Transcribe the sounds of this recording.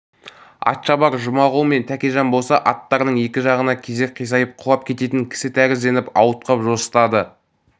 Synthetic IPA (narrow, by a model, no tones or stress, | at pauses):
ɑ̰t̪ʃɑbɑɾʒʊmɑʁuəme̞nt̪ʰækʲeʒɑnbo̞lˠsɑʔɑt̪ːɑɾənəɴe̞kʲɪʒɑʁənɑkʲʰe̞ze̞k̚ʲqʰijsɑjəp̚qʰʊlɑp̚kʲʰe̞t̪e̞t̪ɪŋkʲʰɪ̥sɪt̪ʰæɡʲɪzd̪e̞nɪpɑwət̪̚qʰɑpʒo̞sə̥t̪ɑd̪ə